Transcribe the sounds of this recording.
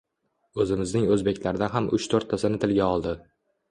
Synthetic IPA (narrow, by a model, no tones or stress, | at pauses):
ɵzɪmɪznɪŋɵzbe̞kʲlaɾɪd̪aɦamʔʊt͡ʃt̪ʰoɾt̪ʰːasɪnɪt̪ʰɪlɡʲaɒlˠd̪ɪ